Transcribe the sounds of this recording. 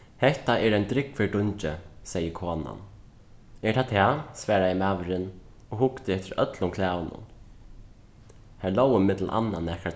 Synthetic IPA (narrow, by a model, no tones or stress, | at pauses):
hɛht̪aɛɹajnt̪ɾɪkfɪɹɖʊɲt͡ʃɪsɛjəkʰoːna̰n | ɛɹt̪ʰat̪ʰɛsvæːɹajɛmaːʋɾɪn | ɔhʊkt̪ɪɛft̪ɪɾœ̰t̪lʊmkʰlæːwənʊ̰n | hæɹloːwɪmɪt̪l̩ʔa̰nːanːɛhka